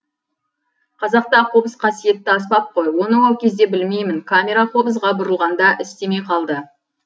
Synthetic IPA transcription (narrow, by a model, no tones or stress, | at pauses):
qʰɑzɑq̚t̪ɑqʰo̞bəsqʰɑsije̞t̪ːɪɑspɑp̚qʰo̞jwo̞nəwɑwˠkʲʰe̞zd̪e̞bɪlme̞jmɪŋkʰamʲe̞ɾaqʰo̞bəsʁɑbʊɾəlˠʁɑnd̪ɑʔɪst̪e̞me̞jqʰɑlˠd̪ə